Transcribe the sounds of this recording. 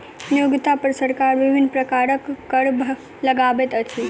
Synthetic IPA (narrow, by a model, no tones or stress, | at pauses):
njuɡt̪apəɾsəɾkaɾʋiʋinpɾəkaɾəkːəɽbʱ | ləɡaʋet̪ət͡ʃʰi